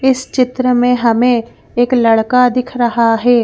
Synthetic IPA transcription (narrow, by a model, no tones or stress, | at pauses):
ɪst͡ʃɪt̪ɾəmẽɦɐmẽ | eːklɐɽkad̪ɪkʰɾɐɦaɦɛː